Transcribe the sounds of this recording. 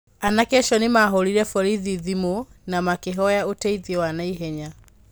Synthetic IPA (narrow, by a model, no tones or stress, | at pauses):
anakɛʃɔnimaɦɔɾiɾɛfɔɾiðiðimunamakeɦɔjaotɛiðiwanaiɦɛɲa